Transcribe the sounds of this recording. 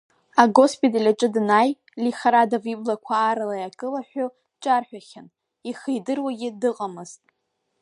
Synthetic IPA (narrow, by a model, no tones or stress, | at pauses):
aɡo̞spʼitʼalʲaʈ͡ʂʼɨdnaj | liχaɾadaviblakʷʰaːɾalajakʼɨlaħʷᶣʊ | t͡ʃʼarħʷᶣaχʲan | iχejdɨrwaɡʲɪdɨqʼamɨztʼ